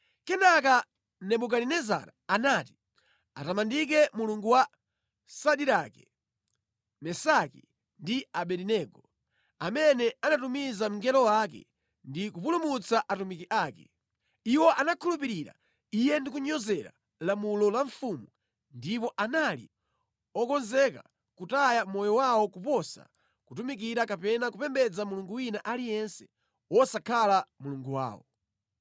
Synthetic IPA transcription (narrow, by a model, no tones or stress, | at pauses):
kɛnaka | nɛɓuk̬aɾinɛza̰ɾaanaːti̥ | a̰tamandik̬ɛmuluŋɡuwa | saɗiɾakɛ | mɛsaki | ndiaɓɛɾinɛɡɔ | amɛnɛanatumizam̩ŋɡɛlɔwak̬ɛ̰ | ndikupulumut͡saʔatumikiʔaːkɛ | iwɔʔanakʰulup̬iɾiɾa̰ | ijɛndikuɲɔzɛɾa̰ | lamulɔlaɱfumu | ndip̬ɔʔanalḭ | ɔkɔnzɛka̰ | kutajamɔjɔwawɔkupɔsa̰ | kutumik̬iɾakapɛnakupɛmbɛd͡zamuluŋɡuwinaʔalijɛnsɛ̥ | wɔsakʰalamuluŋɡuwa̰ːwɔ̰